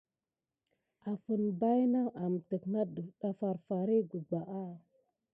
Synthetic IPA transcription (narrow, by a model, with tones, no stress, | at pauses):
a˨fə˨nba˦jna˦ʔa˨m˨tə˨kna˦ɗə˨ɗa˨fa˨ɾfa˨ɾi˦ɡu˨ɡ͡ba˨ʔa˦